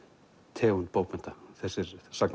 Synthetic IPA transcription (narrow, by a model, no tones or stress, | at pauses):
t̪ʰɛːɣunt̪poːwpɛn̥t̪aθɛsɪɾsakn